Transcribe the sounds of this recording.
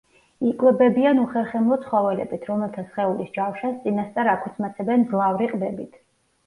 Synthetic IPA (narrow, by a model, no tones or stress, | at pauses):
ikʼwɛbɛbianuχɛɾχɛmlˠɔt̪sʰχɔvɛlɛ̰bit̪ʰɾɔmɛlˠt̪ʰasχɛulisd͡ʒafʃast̪sʼinast̪sʼaɾakʰut̪sʰmat̪sʰɛbɛnzlˠavɾiqʼbɛbit̪ʰ